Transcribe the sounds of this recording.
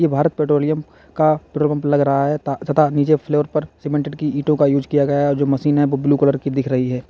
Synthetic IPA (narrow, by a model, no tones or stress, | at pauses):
jebʱaːɾət̪̚peːʈɾoːlɪjəm | kapɾoːlə̃mplɐɡɾɐɦaɦɛt̪asɐt̪aniːt͡ʃepʰloːəɾpɐɾsɪmẽːɳʈɪɖkiiːʈõkajuːd͡ʒkijaɡɐjaɦɛɔːɾd͡ʒoːmɐʃiːnɦɛʋobluːkɔləɾkid̪ɪkʰɾɐɦiɦɛː